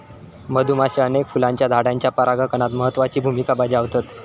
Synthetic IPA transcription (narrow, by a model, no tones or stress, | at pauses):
məd̪ʱumaɕeənekfulãɲt͡ɕjad̪ʱaɽaɲt͡ɕjapəɾaɡakəɳ̃at̪məɦət̪ːʋat͡ɕiːbʱumikabad͡ʑiaʋt̪at̪